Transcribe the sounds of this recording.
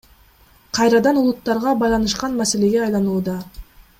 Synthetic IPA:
qʰɑjɾɑd̪ɑnulˠut̪ːɑɾʁɑbɑjlˠɑnɯʃqɑnmæse̞le̞ɡʲe̞ɑjlˠɑnuːd̪ɑ

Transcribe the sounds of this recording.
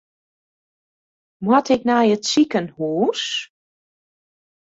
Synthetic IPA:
mwɔtʰɪk̚najətsikənhuːs

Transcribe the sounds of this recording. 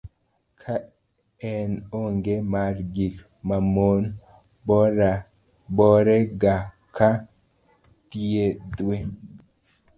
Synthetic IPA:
kʰa | ɛnoŋɡemaɾɡik | mamon | bɔɾa | bɔɾeɡa | kʰa | tied̪we

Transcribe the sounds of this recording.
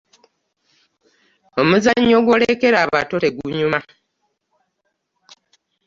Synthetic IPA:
o̞muzaɲːo̞ɡwo̞lekeɾaːβa̰toteɡuɲuma

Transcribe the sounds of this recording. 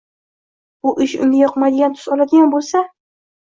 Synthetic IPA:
ʊʔɪʃʊ̰nʲɪjɒqmajd̪ɪɡʲant̪ʰʊ̥zɒlad̪ɪɡʲanbolˠsa

